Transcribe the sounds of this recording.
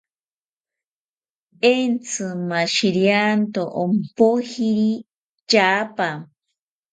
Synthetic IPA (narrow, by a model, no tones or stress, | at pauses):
ent͡sɨmaʃiɾjant̪oʔompohiɾi | t͡ʃapa